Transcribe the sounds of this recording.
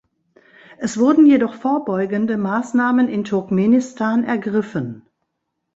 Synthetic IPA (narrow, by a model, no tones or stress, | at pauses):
ʔɛsv̥ʊɐdn̩jedɔχfoːɐbɔʏɡəndəmaːsnaːmənɪntʰʊɐkmeːnɪstʰaːnɛɐɡʁɪfən